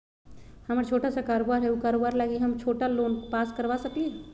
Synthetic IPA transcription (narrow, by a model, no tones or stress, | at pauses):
həməɾt͡ʃʰoːʈasakaːɾobaɾɦɛukaːɾobaːɾlaːɡiɦəmt͡ʃʰoːʈaloːnkpaːskəɾʋasək̪iɛ